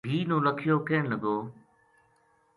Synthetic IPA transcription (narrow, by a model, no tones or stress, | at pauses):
bʱiːnõːləkʰɪjoːkeːɳləɡoː